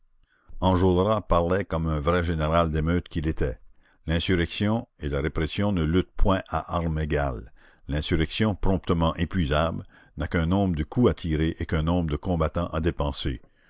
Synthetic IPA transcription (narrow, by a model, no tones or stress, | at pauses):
ɑ̃ʒolʁapaʁlɛkɔmɛ̃vʁɛʒeneʁald̪emøːt̪kʲilet̪ɛ | lɛ̃syʁɛksjɔ̃elaɾepɾɛsjɔ̃nəlyt̪̚pʰwɛ̃ʔaʔaʁmeɡal | lɛ̃syʁɛksjɔ̃pɾɔ̃p̚t̪əmɑ̃ʔepɥizabl | nakɛ̃nɔ̃ːbʁəd̪əkʰuat̪ʰiʁeʔekɛ̃nɔ̃bʁd̪əkɔ̃bat̪ɑ̃ʔad̪epɑ̃sḛ